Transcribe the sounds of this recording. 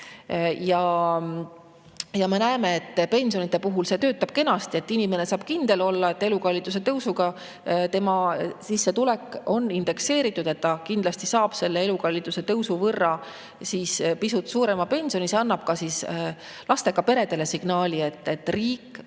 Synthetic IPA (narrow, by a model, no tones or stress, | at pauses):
jɑ | jɑme̞næeme̞et̪ːˑpe̞nʲsionit̪ːˑe̞puɦulse̞ːt̪øːt̪ːˑɑb̥ke̞nɑst̪ie̞t̪ːinime̞ne̞sɑːb̥kind̪̥e̞lo̞lːɑe̞t̪ːˑe̞lukɑlʲːit̪ːˑus̬e̞t̪ɤwsuɡ̥ɑ | t̪e̞mɑsisːe̞t̪ulekːˑo̞nːind̪̥e̞kse̞ːɾit̪ːˑud̪̥e̞t̪ːɑkind̪lɑst̪isɑːb̥se̞lːe̞e̞lukɑlːit̪ːˑuse̞t̪ɤwsuvɤrːɑ | siːspisut̪suːɾe̞mɑpe̞nʲsio̞niseɑnːɑb̥̚kɑsiːs | lɑst̪e̞kɑpe̞ɾe̞d̪̥e̞le̞siɡ̥nɑːlʲie̞t̪ːe̞t̪ːriːkˑː